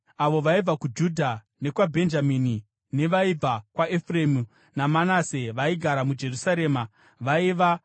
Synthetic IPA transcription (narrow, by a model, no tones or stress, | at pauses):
aʋo̞ʋaib͡vakud͡ʒudʱa | ne̞kwabʱe̞nd͡ʒamiːni | ne̞ʋaib͡vakwaʔefremu | namanaseʋaiɡʱaɾamud͡ʒe̞rusaɾe̞ːma | ʋaiʋa